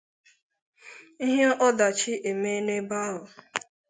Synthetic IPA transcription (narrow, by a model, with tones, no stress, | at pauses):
i˦ɦe˦ʔɔ˦da˨t͡ʃi˦ʔe˨me˦ne˦ba˦ʊ˨